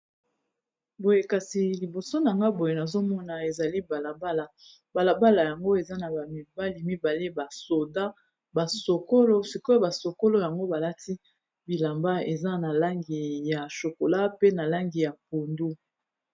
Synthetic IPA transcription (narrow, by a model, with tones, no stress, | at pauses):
bo˨je˨ka˨si˨li˨bo˨so˦na˨ŋɡa˦bo˨je˨na˨zo˦mɔ˦na˨e˨za˨li˦ba˨la˨ba˦la˨ | ba˨la˨ba˦la˨ja˨ŋɡo˦e˨za˦na˨ba˨mi˨ba˦li˨mi˦ba˨le˦ba˨so˨da˦ | ba˨so˨ko˦lo˦si˨ko˦ja˨ba˨so˨ko˦lo˦ja˨ŋɡo˦ba˨la˦ti˦ | bi˨la˨mba˦e˨za˦na˨la˦ŋɡi˨ja˨ʃo˨ko˨la˦pe˦na˨la˦ŋɡi˨ja˨po˨ndu˦